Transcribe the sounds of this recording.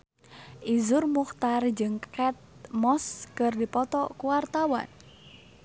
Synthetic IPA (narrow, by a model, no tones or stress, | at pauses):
ʔizʊrmuxt̪ard͡ʒɨŋkɛt̪̚mɔskərdipɔt̪ɔkuwart̪awa̰n